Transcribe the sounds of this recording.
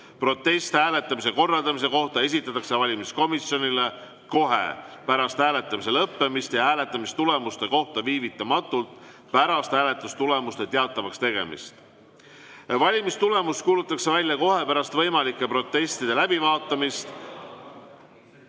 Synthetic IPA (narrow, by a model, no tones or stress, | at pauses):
pro̞t̪ːˑe̞st̪æːle̞t̪ːˑɑmise̞ko̞rːɑld̪̥ɑmis̬e̞ko̞ht̪ɑe̞s̬ʲit̪ːˑɑt̪ːˑɑkse̞vɑlʲimisko̞misjo̞nʲile | ko̞ɦe̞̰pæɾɑst̪hæːlet̪ːˑɑmis̬e̞lɤpːe̞mist̪jɑɦæːle̞t̪ːˑɑmist̪ule̞must̪e̞ko̞ht̪ɑviːvit̪ːˑɑmɑt̪ːˑult̪ | pæɾɑst̪hæːle̞t̪ːˑust̪ule̞must̪e̞t̪eɑt̪ˑːɑvɑkst̪e̞ɡ̥e̞̰mḭst̪ | vɑlʲimist̪ule̞must̪̚kuːlut̪ːˑɑkse̞vælʲjɑko̞ɦe̞pæɾɑst̪vɤ̞jmɑlikːˑe̞pɾo̞t̪ːˑe̞st̪id̪e̞læb̥ivɑːt̪ːˑɑmist̪